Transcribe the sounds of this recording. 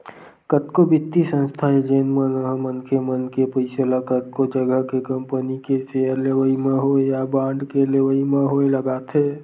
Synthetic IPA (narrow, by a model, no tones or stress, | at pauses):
kət̪kobɪt̪ːisə̃nst̪ʰaed͡ʒeːnmənmənkemənkepəɪsəlakət̪kod͡ʒəɡəɦkekəmpənikeseəɾleʋəimẽɦoejabãɳɖkeleʋəimeɦoeləɡaːt̪ʰɦe